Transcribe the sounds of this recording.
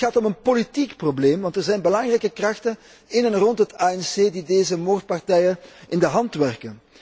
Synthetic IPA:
xaːtɔmənpolitikprobleːmʋɑntɛrzɛjnbəlɑŋrɛjkəkrɑxtən | ɪnɛnrɔntɦətaːɛnseːdideːzəmoːrt̚pɑrtɛjənʔɪndəɦɑntʋɛrkən

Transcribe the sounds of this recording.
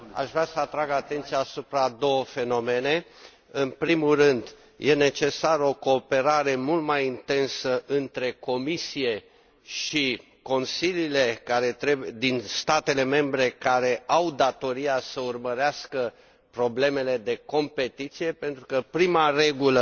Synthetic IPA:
a̰ʃvɾasəat̪ɾaɡat̪e̞nt̪sijaːsupɾad̪o̞wəfe̞no̞me̞ne̞ | ɨnpɾimulrɨnd̪ | jʔe̞ne̞t͡ʃe̞saɾəo̞ko̞ːpe̞ɾaɾe̞mult̪majint̪e̞nsəʔɨnt̪ɾe̞ko̞misije̞ | ʃi | ko̞nsilile̞kaɾe̞t̪ɾed̪inst̪at̪e̞le̞me̞mbɾe̞kaɾe̞awd̪at̪o̞ɾijasəurməɾeaskə | pɾo̞ble̞me̞le̞d̪e̞ko̞mpe̞t̪it̪sije̞pe̞nt̪ɾukəpɾimare̞ɡulə

